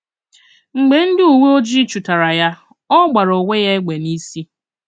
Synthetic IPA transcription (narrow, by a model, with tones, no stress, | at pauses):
ŋ͡m̩˨ɡ͡be˨n̩˦dɪ˦u˨ŋʷe˦o˦d͡ʒi˦t͡ʃu˨ta˨ɾa˨ja˦ | ɔ˦ɡ͡ba˨ɾo˨ŋʷe˦ja˦e˦ɡ͡be˨ni˦si˦